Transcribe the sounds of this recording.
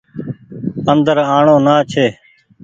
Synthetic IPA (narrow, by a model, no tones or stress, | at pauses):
ənd̪əɾaːɳõːnaːt͡ʃʰeː